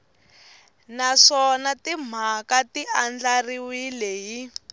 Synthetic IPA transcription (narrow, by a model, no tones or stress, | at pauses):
naʂɔnatim̤akatiand͡ɮariwileːji